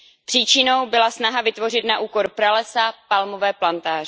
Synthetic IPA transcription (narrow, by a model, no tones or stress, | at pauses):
pr̝̥iːt͡ʃɪno̞wbɪlasnaɦavɪt̪vo̞rɪt̪naʔuːko̞ɾpɾalɛsapalmo̞vɛːplant̪aːrɪ